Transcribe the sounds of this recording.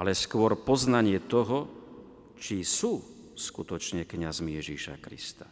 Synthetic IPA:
alɛskʊɔɾpɔznaɲɪɛt̪ɔɦɔ | t͡ʃisuː | skut̪ɔt͡ʃɲɛkɲazmijɛʒiʃa̰kɾḭst̪a

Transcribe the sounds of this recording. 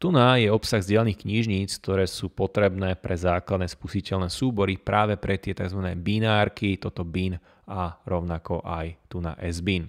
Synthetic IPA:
t̪unajɛɔpsaɣzɟɪɛlaniːxkɲiʒɲiːt͡sk̚t̪ɔɾɛːsuːpɔt̪ɾɛbnɛːpɾɛzaːklad̪nɛːspusicɛʎnɛːsuːbɔɾipɾʔaːʋɛpɾʔɛt̪ɪɛt̪aɡzʋanɛːbinaːɾkit̪ɔt̪ɔbin | aɾɔʊnakɔʔajt̪una̰ʔɛzbin

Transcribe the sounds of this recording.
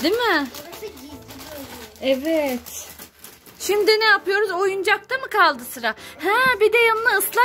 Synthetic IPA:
d̪imɪ | evɛt̪ | ʃimd̪inɛjapɯjo̞ɾuzo̞jund͡ʒak̚t̪ʰamɯkʰalˠd̪ɯsɯɾahæbid̪ɛjanɯnaɯslˠa

